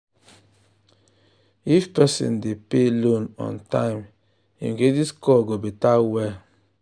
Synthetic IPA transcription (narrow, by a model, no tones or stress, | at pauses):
ifpɛsḭ̃ndepelõnɔ̰̃ntã̰ɪ̃m | ḭ̃mɡediskɔɡobitawɛ